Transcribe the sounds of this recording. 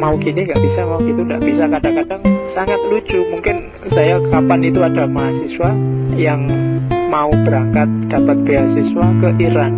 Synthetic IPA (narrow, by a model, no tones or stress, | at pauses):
mauɡiniŋɡaʔb̥isamauɡit̪uŋɡa̰ʔb̥isakadaŋkadaŋsaŋat̪̚lud͡ʒumuŋkɪn | sajakapanit̪uadamaɦasiswajaŋmaubəɾaŋkat̪̚d̥apat̪̚b̥easiswakəʔiɾan